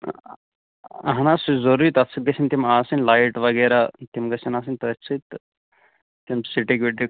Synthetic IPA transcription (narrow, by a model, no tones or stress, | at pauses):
ɐɦɐnasuzɐɾuit̪ɐtsʰik̚d̪ɐsʰint̪imaːsinlajʈʋɐɡeːɾat̪imɡɐsinaːs̬inʲt̪ɐsʰɨt̪ | t̪imsiʈikʋiɖi